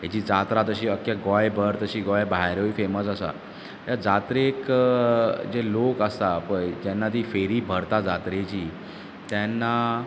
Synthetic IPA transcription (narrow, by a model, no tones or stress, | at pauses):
ɦat͡ɕiːd͡zat̪ɾat̪əɕiːəkjaɡɔjbʱəɾt̪əɕiːɡɔjbʱajɾəifeməsəsa̰ | jad͡zat̪ɾek | d͡zelokəst̪apəɳd͡ʑɛnːat̪iːfeɾiːbʱəɾt̪ad͡zat̪ɾet͡ɕiː | t̪jɛnːa